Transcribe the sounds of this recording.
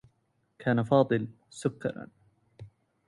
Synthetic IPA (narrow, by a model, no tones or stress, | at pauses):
kʰaːnafɑːd̪ˤɨl | sʊkːɑ̰ɾ̰ˤ